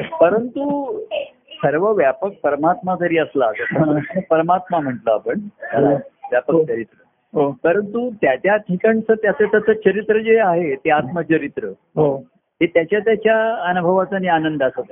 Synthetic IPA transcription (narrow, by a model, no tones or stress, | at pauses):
pəɾənt̪u | səɾʋəʋjapək̚pəɾmat̪mak̪əɾiːəslatət̪ʰəapəɾmat̪mam̤əʈləapəɳt̪aʋjapəkt͡ɕəɾit̪ɾə | ɦopəɾənt̪ut̪jat͡ɕjat̪ʰikəɳt͡səːt̪jat͡sat͡sat͡sət͡ɕʰəɾit̪ɾəd͡zeaɦet̪eat̪mət͡ɕəɾit̪ɾə | ɦo | ɦet̪jat͡ɕjat̪̬jat͡ɕjaənubʱəʋat͡sanianənd̪asət̪